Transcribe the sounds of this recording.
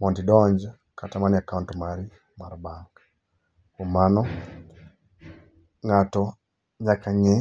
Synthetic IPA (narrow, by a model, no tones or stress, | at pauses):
mɔndidɔɲd͡ʒ | katamaniakauntɔmaɾi | maɾbaŋk | kɔmanɔ | ŋatɔ | ɲakaɲɛ